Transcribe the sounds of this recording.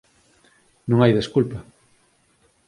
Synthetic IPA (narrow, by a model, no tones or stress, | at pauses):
nõŋajðeskulpɐ